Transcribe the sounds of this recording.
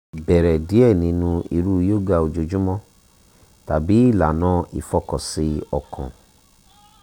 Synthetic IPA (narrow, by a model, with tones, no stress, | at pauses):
bɛ˨ɾɛ˨di˦ɛ˦˨nĩ˨˧˦nũ˧ḭ˧ɾu˦jo˦˨ɡa˧o˧d͡ʒo˧d͡ʒũ˦mɔ̃˦ | ta˨bi˨˦i˦˨la˨nãː˦ḭ˨fɔ˧kɔ˨si˧ɔ˨kʰɔ̰̃˨